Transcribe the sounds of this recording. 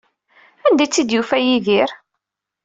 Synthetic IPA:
ænd̪æjt͡sːid̪jufæjiðiɾ

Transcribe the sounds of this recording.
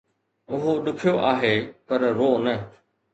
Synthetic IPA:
ʊɦoɗʊkʰɪjoʔaːɦeːpɐɾɾoːnə

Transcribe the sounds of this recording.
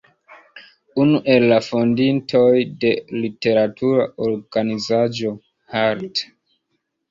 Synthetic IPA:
unuʔe̞lːafondintʰo̞jde̞lite̞ɾatʰuɾaʔoɾɡanizad͡ʒo̞ | haɾt

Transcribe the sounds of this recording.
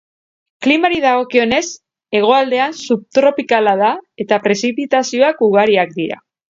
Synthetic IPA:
klimaɾiðaɣo̞kio̞ne̞s | e̞ɣ̞o̞ald̪e̞ansup̚t̪ɾo̞pikalaðae̞t̪apɾe̞sipit̪asio̞akuɣ̞aɾiak̚d̪iɾa̰

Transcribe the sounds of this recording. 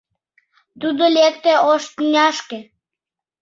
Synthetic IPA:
t̪ud̪olek̚t̪eoʃt̪ynʲɑʃke

